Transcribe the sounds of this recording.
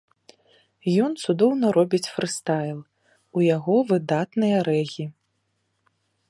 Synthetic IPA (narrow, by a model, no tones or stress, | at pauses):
jɔnt̪sud̪ɔwnɐɾɔbʲit͡sʲfɾɨst̪ajlˠ | ujaɣɔvɨd̪at̪nɨjɐɾɛɣʲi